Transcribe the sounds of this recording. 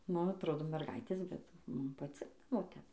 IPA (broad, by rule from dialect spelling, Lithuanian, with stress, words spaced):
ˈnʊ ɐtˈroːdoː mʲɛrˈɡɐɪtʲeːs bʲɛt ˈmʊm pɐˈt͡sʲɪɡdɐʋoː ˈtʲɛp